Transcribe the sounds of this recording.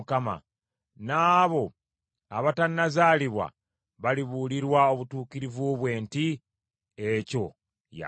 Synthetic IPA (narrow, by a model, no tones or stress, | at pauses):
kama̰ | naːβo̞ | aβatanːazaːliβwa̰ | βaliβuliɾwao̞βutuːkiɾivuβwe̞ːnti | eco̞ | ja̰